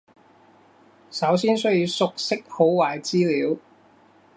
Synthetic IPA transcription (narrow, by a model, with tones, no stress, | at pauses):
sɐ˨˥wsiː˥nsɵ˥ɥjiː˧wsʊ˨k̚sɪ˥k̚ho˨˥wwaː˨˩jt͡siː˥liː˨˥w